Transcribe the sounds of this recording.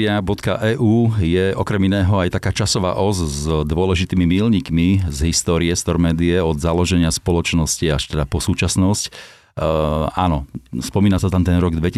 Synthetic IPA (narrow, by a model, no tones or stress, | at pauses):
abɔt̪ka̰ʔɛːʔuːjɛʔɔkɾɛminɛːɦɔajt̪akaːt͡ʃasɔʋa̰ːʔɔzzd̪ʊɔlɛʒit̪iːmimiːlɲiːkmizɦist̪ɔːɾiɛst̪ɔɾmɛːd̪iɛɔd̪zalɔʒɛɲɪaspɔlɔt͡ʃnɔsciaʃt̪ɛd̪apɔsuːt͡ʃasnɔsc | aːnɔspɔmiːnasat̪amt̪ɛnɾɔɡd̪ʋɛci